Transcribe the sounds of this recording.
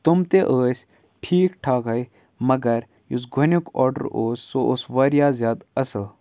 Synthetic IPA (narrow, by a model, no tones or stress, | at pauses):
t̪umt̪eʔəːsʲ | ʈʰiːkʈʰaːkɐj | mɐɡɐɾ | jus̬ɡʱʊnʲjukɔ̰ːɾɖə̰ɾoːsːoʔosʋɐɾjaːzʲjaːd̪ɐsɐl